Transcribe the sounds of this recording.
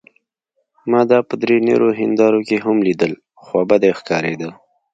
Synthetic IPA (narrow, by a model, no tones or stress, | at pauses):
mɑd̪ɑpəd̪ɾenḛɾoɦɪnd̪ɑɾokeɦamlid̪əl | xwɑbad̪exkɑɾed̪ə